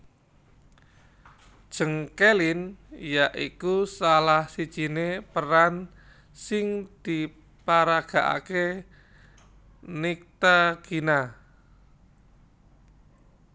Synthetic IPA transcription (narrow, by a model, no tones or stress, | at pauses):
d̥ʒ̥əŋkelɪnjaʔikusalahsid̥ʒ̥i̤nepəɾan | sɪŋd̪̥i | paɾaɡ̥a̤ʔa̰ke | nik̚t̪aɡ̥ina